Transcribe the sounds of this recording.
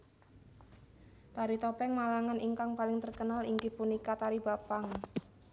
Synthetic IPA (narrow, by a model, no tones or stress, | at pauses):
t̪aɾit̪opɛŋmalaŋaniŋkaŋpalɪŋt̪ərkənaliŋkipunikat̪aɾibapaŋ